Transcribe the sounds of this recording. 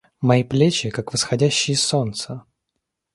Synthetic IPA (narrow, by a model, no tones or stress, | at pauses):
mɐiplʲet͡ɕɪkakvəsxɐdʲæɕːɪjəso̞nt̪sə